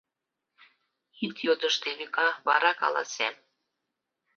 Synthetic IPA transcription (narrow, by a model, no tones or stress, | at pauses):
it̪jod̪əʃt̪eβikɑβɑ̰ɾɑkɑ̰lɑ̰sem